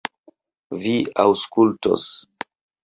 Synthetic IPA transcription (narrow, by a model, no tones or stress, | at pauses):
viawskulto̰s